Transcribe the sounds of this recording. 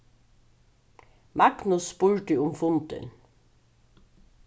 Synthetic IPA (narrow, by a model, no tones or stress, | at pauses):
mɑknʊspʉɹʈəʊmfʊnt̪ə̰n